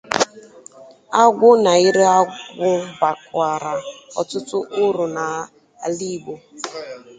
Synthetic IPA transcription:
a˦ɡʷʊ˦na˨ɪ˦ɾe˦a˦ɡʷʊ˦ba˨kʷa˨ɾa˨ɔ˨tʊ˦tʊ˦ʔʊ˦ɾʊ˨na˨ | a˨li˦˨ɡ͡bo˦

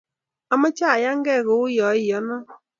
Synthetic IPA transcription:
ɔ˦ma˦t͡ʃa˦a˨ja˦ŋ̩˦ɡɛ˦˨ɣʊ˨ʊ˦jɔ˨˦ɪ˨ɔ˦nɔ˦

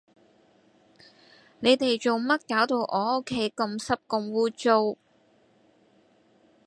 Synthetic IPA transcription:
ne˨˧jt̪e˨jt͡ʃo˨wmɐ˥t̚kaː˨˥wt̪o˧wʔɔː˨˧o˥kʰːe˨˥jkɐ˧msɐ˥p̚kʊ˧ŋwuː˥t͡so˥˧w

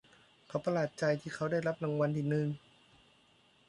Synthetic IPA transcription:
kʰa˦˥wpa˧laː˨˩t̪̚t͡ɕa˧jt̪ʰiː˥˩kʰa˦˥wda˥˩jla˦˥p̚la˧ŋwa˧nʔiː˨˩nɯ˧ŋ

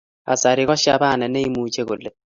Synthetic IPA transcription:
a̰˨sa˨ɾi˨kɔ˦ʃja˦ba˦˨nɛ˨nɛ˦i˦mu˨t͡ʃe˦ko˨le˨t̚

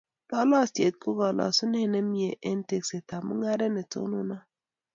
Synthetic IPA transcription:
t̪a˦la˦ste˨t̪̚ku˦ɡa˨la̰˨su˦ne˦˨ne˦mi˦e˨ʔe˦n˦te˨kse˨ta˨mɨ˦ŋa˦ɾe˦ne˨to̰˦nu˦na˦

